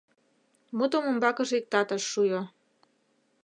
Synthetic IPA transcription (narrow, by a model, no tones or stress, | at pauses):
mut̪omombɑkə̆ʒek̚t̪ɑt̪əʃːujo